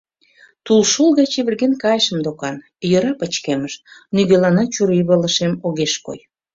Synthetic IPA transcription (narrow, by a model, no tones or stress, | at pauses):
t̪ulʃolˠɣɑt͡ɕeβərɣenkɑjʃəmd̪okɑn | jəɾɑpət͡ɕkeməʃnyɣelɑnɑt͡ɕuɾiβələʃemoɣeʃko̰j